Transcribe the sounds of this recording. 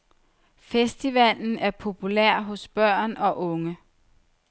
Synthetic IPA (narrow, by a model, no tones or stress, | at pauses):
fesd̥iʋæl̰n̩æɐpʰo̝pʰulæɐ̰ɦɔ̽sb̥ɶɐ̰nɒ̽ʔɔ̽ŋə